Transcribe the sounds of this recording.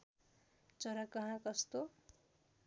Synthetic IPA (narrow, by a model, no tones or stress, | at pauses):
t͡sʌɾakʌɦãkʌst̪o